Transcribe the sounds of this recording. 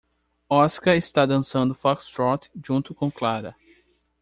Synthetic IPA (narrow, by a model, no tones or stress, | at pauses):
ɔskɐɪst̪ad̪ɐ̃sɐ̃nd̪ʊfɔkst̪ɾɔt̪ʒũnt̪ʊkõw̃klaɾɐ̰